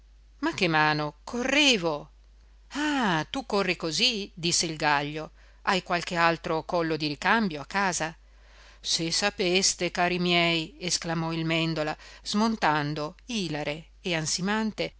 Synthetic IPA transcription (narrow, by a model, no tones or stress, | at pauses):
makːemaːnokʰorːeːvo | at̪ukːorːikozid̪isːeilɡaʎːo | ajkwalkealt̪ɾokɔlːod̪iɾikambjoakːaːza | sesapest̪ekaːɾimjɛjesklamɔilmɛnd̪olaz̥mont̪and̪oiːlaɾeː | ansimant̪e